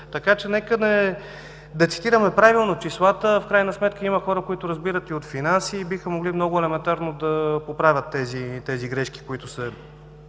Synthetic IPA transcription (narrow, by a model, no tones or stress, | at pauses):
t̪ɐkat͡ʃɛnɛkənɛ | d̪ɐt̪si̥t̪iɾəmɛpɾavilˠnot͡ʃislˠat̪əfkɾajnɐsmɛt̪kəimɐxɔɾəkoit̪ʊɾɐzbiɾət̪iot̪finansiːbixəmoɡlimnɔɡʊɛlɛmɛnt̪aɾnod̪ɐpopɾavʲət̪ːɛzit̪ɛziɡɾɛʃki̥koit̪ʊsɛ